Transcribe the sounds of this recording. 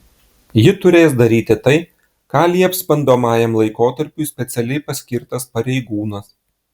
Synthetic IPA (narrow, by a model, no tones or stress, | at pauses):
jɪt̪ʊɾʲeːs̬d̪ɐɾʲiːt̪ʲɪt̪ɐɪ | kɑːlʲiɐpʲsʲpʲɐnd̪oːmɑːjɛmlˠɐɪkoːt̪ɐɾʲpʲʊɪsʲpʲɛt̪sʲɛlʲɛɪpɐsʲkʲɪɾt̪ɐspɐɾʲɛɪɡuːnɐs